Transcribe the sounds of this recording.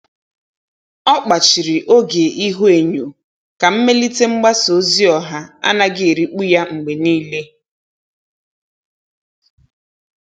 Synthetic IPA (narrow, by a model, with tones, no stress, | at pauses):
ɔ˦k͡pa˨t͡ʃi˨ɾi˨ʔo˦ɡe˨ʔi˦ɦu˦e˨ɲo˨ | ka˨m̩˦me˦li˦te˦ŋ͡m̩˦ɡ͡ba˦so˨˦zi˦ɔ˨ɦa˦a̰˦na˦ɡɪ˦˨ɾi˨k͡pu˦ja˦ŋ͡m̩˨ɡ͡be˨niː˦le˦